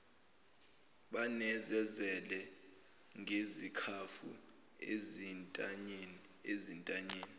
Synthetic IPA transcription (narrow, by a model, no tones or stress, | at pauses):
ɓanɛzɛzɛlɛ | ŋʱezikʰafṵ | e | ezintʼaɲeːni